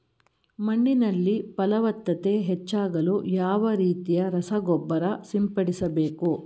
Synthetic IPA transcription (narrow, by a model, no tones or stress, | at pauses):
mɐɳːinɐlːipɐlɐʋɐt̪ːɐt̪e̞ɦet͡ʃːaːɡɐlujaːʋɐɾiːt̪ijɐɾɐsɐɡɔbːɐɾɐsimpɐɽisɐbe̞ːku